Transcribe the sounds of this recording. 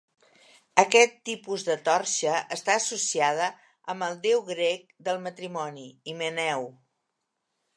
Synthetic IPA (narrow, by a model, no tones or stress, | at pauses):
əkɛt̪ːipuzðət̪ɔɾʃəəst̪aəsusiað̞ə | əmbəlˠd̪ewɣɾɛk̚d̪əlˠmət̪ɾimɔniimənɛw